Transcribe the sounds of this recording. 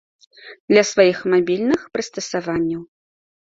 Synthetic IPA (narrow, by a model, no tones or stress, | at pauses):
d̪lʲɐsvajixmabʲilʲnɨxpɾɨst̪ɐsavanʲːɐw